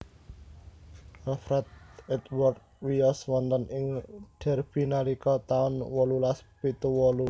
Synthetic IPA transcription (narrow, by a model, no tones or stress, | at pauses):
afɾɛt̪̚ɛt̪wɔrt̪̚wiɔswɔnt̪ənʔɪŋɖ̥ɛ̤rb̥i̤nalikɔt̪aʊnwɔlulaspit̪uwɔlu